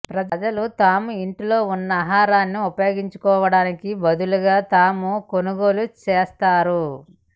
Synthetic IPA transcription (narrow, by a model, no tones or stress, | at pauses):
pɾɐd͡ʒɐd͡ʒɐlut̪aːmuiɳʈilo̞ːunːɐːɦaːɾaːnːiupɐjo̞ːɡiɲt͡ʃu̥kɔːʋɐɽaːnikibɐd̪uluɡaːt̪aːmuko̞nuɡo̞ːlut͡ʃeːst̪aːɾu